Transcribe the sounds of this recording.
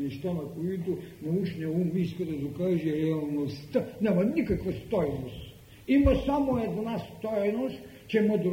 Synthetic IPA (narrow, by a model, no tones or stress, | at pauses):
niʃt̪anɐkoit̪unɐut͡ʃnʲɛumbiskod̪ɐzokaʒiɾɛalˠnost̪anɛmɐnikɐkvɐst̪ɔjnost̪ | imɐsamoɛd̪nast̪ɔjnost̪ | t͡ʃɛmɐd̪ɾ